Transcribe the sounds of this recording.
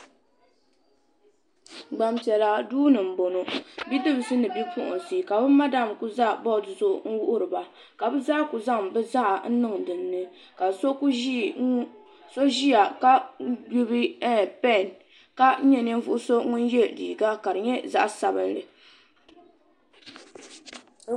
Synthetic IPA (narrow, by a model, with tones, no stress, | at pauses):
ɡ͡ba˨mpɛ˨la˨duː˦nɨ˨m̩˨bo˨no˨bi˦dɨ˦bɨ˨sɨ˦nɨ˨bi˦pʊ˦ʔʊ̰˨n˨si˨ka˨bɨ˦ma˦da˦˨mku˦za˦ʔbɔ˦˨tzʊ˦ŋ̩˦wu˦ʔʊ˦ɾɨ˨ba˨ | ka˨bɨ˦zaː˦ku˨za˦ŋbɨ˦za˦ʔa˨n̩˦nɨ˦ŋdɨ˨nːɨ˦ | ka˨so˦ku˦ʒi˦˨˦ | so˦ʒi˦ja˨ka˦ju˦bi˦pɛ˦˨n | ka˦ɲɛ˦n˦ɛ˦vʊ˦ʔʊ˦so˦ŋʊ˦n˦jɛ˦lḭː˨ɡa˦ka˨ɾɨ˨ɲɛ˦za̰˦ʔsa˨bɨ˦n˦lɨ˨